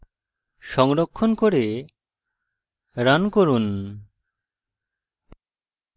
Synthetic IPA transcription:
ʃɔŋɾɔkʰːɔnkɔɾe | ɾankɔɾun

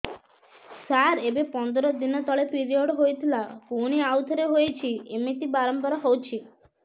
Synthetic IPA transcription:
saɾebepɔnd̪ɔɾɔd̪inɔt̪ɔɭepiɾioɖɦojt̪ʰilakuñiawt̪ʰɔɾeɦojt͡ʃʰiemit̪ibaɾɔmpɔɾɔɦowt͡ʃʰi

